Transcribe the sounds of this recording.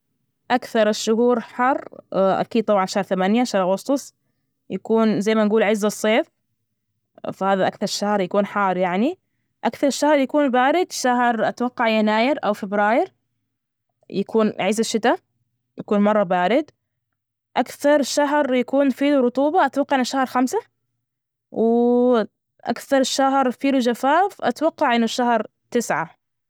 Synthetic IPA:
ʔakθɑɾˤɪʃːʊɦuːɾħɑrˤːʔa̰kiːd̪̚t̪ˤɑbʕɑnʃahɾˤθamanjaʃahɾˤʔɑɣʊst̪ˤʊsˤ | jakuːnzajːmanɡuːlʕɪzːɑsˤːeːf | fahaːðaʔakθɑɾˤʃːahɾˤjakuːnħɑːɾˤjaʕni | ʔakθɑɾˤɪʃːahɾˤjakuːnbaːɾɪd̪ʃaɦɾˤʔat̪awɑqːɑʕjanaːjɪɾʔawfɪbɾɑːjɪɾ | jakʰuːnʕɪzaʃːɪt̪a | jakuːnmɑrˤːɑbaːɾɪd̪ | ʔakθɑɾˤʃaɦɾjakuːnfiːluɾʊt̪ˤuːbɑʔat̪wɑqːɑʕɪnaʃːahɾˤxamsa | wɪ | ʔa̰kθɑɾˤʃahɾˤfiːlud͡ʒafaːfʔa̰t̪wɑqːɑʕʔɪnːʊʃːahɾˤ | t̪ɪsʕa̰

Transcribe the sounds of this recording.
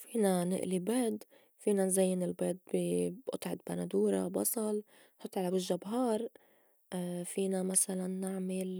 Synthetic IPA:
fiːnanɪ̰ʔlibeːd̪ | fiːnanzajːɪnɪlbeːd̪̚biʔʊ̰t̪ˤʕɪd̪banad̪uːɾa̰bɑ̰sˤɑl | nħʊt̪ˤːʕalabɪʒːabɦɑːɾˤ | fiːnamasalanːɪʕmɪl

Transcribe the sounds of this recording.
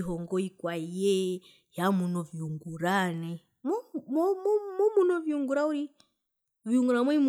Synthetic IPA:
iɦɔŋɡɔikwajɛ | jamunɔviuŋɡuɾanɛ | mɔmɔmɔmɔmunɔviuŋɡuɾauɾi | viuŋɡuɾamɔim

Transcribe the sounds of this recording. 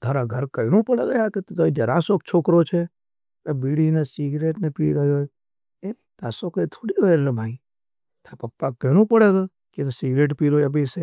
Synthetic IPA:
t̪ʰaɾaɡʱəɾkəjnũpəɽḛɡəjaket̪t̪əĩd͡ʒ̪əɾasok̚t͡ʃʰokɾot͡ʃʰe | ebiɽinesiɡɾeʈnepiɾəɦjo | e | t̪asokəit̪ʰoɽioeɾlemʱãĩ | t̪ʰapəpːakːəiñũpəɽeɡ̪o | ket̪osiɡɾeʈ̬piɾoeb̬ɛse

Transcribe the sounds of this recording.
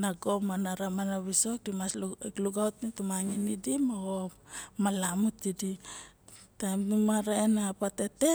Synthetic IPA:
naɡo̞manaɾamanaβiso̞k̚dimaskluɡawtnitumaŋinidimaɡo | malamutidi | tajmnumaɾaenapate̞te̞

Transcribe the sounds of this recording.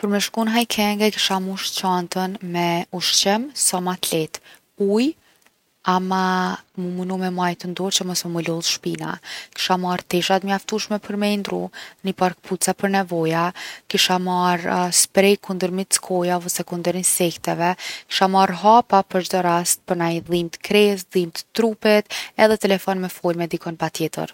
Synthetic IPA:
pəɾmɛʃkunɦajkʰɛŋɡɛki̥ʃamuʃt͡ɕant̪ənmɛuʃt͡ɕɛmsɔmat̪lɛt̪ | uj | amamumunumɛmajt̪ənd̪ɔɾt͡ɕəmɔsmɛmulɔlˠʃpina̰ki̥ʃamaɾt̪ɛʃat̪məjaft̪uʃmɛpʰəɾmɛjnd̪ɾṵnipaɾk̚pʰut͡sapəɾnɛvɔjakiʃamaɾspɾɛjkund̪əɾmit̪t͡skʰɔjavəsɛkund̪əɾinsɛkt̪ɛvɛki̥ʃamaɾɦapapəɾt͡ʃd̪ɔɾast̪̚pəɾnajðimt̪ə̥kɾɛs̬ðimt̪ə̥t̪ɾupɛt̪ɛðɛt̪ɛlɛfɔnmɛfɔlmɛd̪ikɔnpat̪jɛt̪ə̰ɾ

